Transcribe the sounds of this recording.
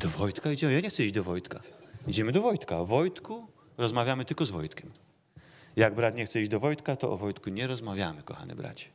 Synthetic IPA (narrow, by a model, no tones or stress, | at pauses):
d̪̥ɔvɔjt̪kaid͡ʑɛmjaɲɛxsɛiʑd͡ʑd̪ɔvɔjt̪kaid͡ʑɛmɘd̪ɔvɔjt̪kaɔvɔjt̪ku | ɾɔzmavʲjamɘt̪ɘlkɔzvɔjt̪kʲɛm | jaɡ̚bɾat̪ɲɛxt̪sɛid͡ʑd̪ɔvɔjt̪kat̪ɔʔɔvɔjt̪kuɲɛɾɔzmavʲjamɘkɔxa̰nɛ̰bɾa̰t͡ɕɛ̥